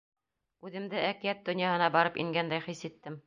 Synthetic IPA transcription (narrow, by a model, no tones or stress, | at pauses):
ʉðɘ̆md̪ɘʔækĭjæt̪̚d̪ɵ̆njɑɦɤ̆nɑbɑɾɤpḭŋɡænd̪æjχisit̪ːɘm